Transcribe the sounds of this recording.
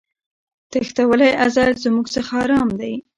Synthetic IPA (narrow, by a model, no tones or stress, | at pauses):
t̪axt̪awəlajʔazɑd̪zmuɡsəxaɑɾɑmd̪aj